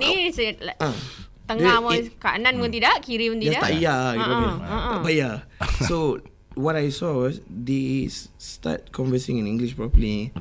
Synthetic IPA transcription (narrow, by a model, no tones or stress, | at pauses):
niseaʔt̪əŋamɔkaʔnãnmũnt̪idaʔkiɾimə̃nt̪idadat̪a̰ʔijaaiəə̃ʔəbajaso | wɔtajsɔwɔsdessta̰t̚kʰɔ̃nvəsĩŋĩnĩŋɡliʃpɾɔpəli